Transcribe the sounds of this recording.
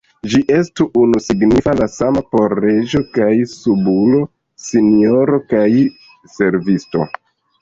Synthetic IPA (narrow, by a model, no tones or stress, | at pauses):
d͡ʒiʔe̞stuʔunusiɡnifalasamapo̞ɾe̞d͡ʒo̞kajsubulo̞ | sinio̞ɾo̞kaj | se̞ɾvisto̞̰